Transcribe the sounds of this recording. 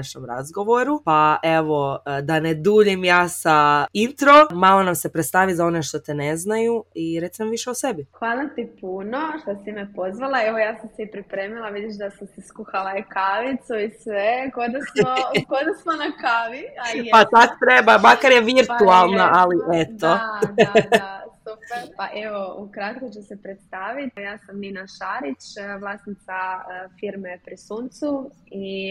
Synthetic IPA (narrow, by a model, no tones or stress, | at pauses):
aʃnomɾa̰zɡo̞ʋo̞ɾupaʔe̞ʋo̞d̪aned̪uːʎimjaːsaint̪ɾo̞maːlonamse̞pɾet̪st̪aʋizao̞neʃt̪o̞t̪ene̞znajuiɾe̞t̪simaʋiʃeosebixʋaːlˠat̪ipunoʃt̪osimɛpozʋalˠaeʋojaːsamsiipɾipɾeːmilˠaʋid̪iʃd̪asamsiskuxalaikaʋit̪suisʋekod̪asmokod̪asmonakaːʋiapat̪ako̥t̪ɾebamakaɾjeʋiɾt̪ualˠnaʔaliʔet̪o | asupeɾpaʔeʋoukɾat̪̚kot͡ʃusepɾet̪st̪aːʋit̪jaːsamninaʃaɾit͡ʃʋlˠasnit̪safiɾmepɾisuːnt̪sui